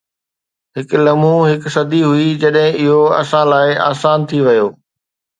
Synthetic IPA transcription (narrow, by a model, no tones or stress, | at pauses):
ɦɪk̆lɐmũɦɪksɐd̪iɦʊid͡ʑɐɗɦɪ̃ɪɦoɐ̰sãlaːɪa̰ːsaːnt̪ʰiʋɐjoː